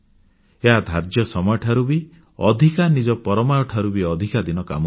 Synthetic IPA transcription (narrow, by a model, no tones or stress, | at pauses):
eɦad̪ʱaɾd͡ʒjɔsɔmɔjɔʈʰaɾubi | ɔd̪ʱikanid͡ʒɔpɔɾɔmajɔʈʰaɾubiɔd̪ʱikad̪inɔka̰mɔ